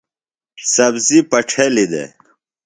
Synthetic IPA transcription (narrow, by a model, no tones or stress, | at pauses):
sɐbzipɐʈ͡ʂʰelid̪ḛ